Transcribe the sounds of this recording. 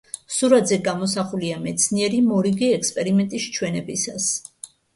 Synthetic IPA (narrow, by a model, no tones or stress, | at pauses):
suɾad̪zɛɡamɔsaχuliamɛt̪sʰniɛɾimɔɾiɡiɛkspʼɛɾimɛnt̪ʼist͡ʃʰwɛnɛbisas